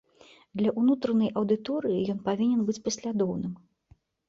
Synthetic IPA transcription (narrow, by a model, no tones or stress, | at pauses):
d̪lʲɐʔunut̪ɾɐnɐjʔɐwd̪ɨt̪ɔɾɨjijɔnpavʲinʲɛnbɨt͡sʲpɐsʲlʲad̪ɔwnɨm